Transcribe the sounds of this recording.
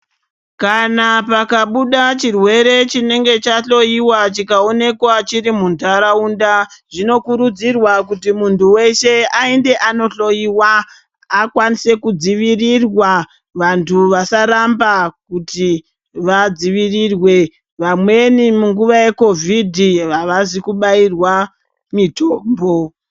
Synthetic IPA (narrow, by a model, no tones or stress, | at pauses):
kanapakaɓuɗat͡ʃirwe̞ɾe̞t͡ʃine̞ŋɡe̞t͡ʃaɬo̞iwat͡ʃikao̞ne̞kwat͡ʃiɾimundʱaɾaundaʐ̥ino̞kuɾud͡zirwakutimuntʰuwe̞ʃe̞ainde̞ʔano̞ɬo̞jiwaː | kwanise̞kud͡ziʋirirwa | ʋantʰuʋasaɾambakuti | ʋad͡ziʋirirwe̞ | ʋamwe̞nimuŋɡuʋaje̞ko̞vʱidʱiʋaʋazikuɓairwa | mitʰoːmbo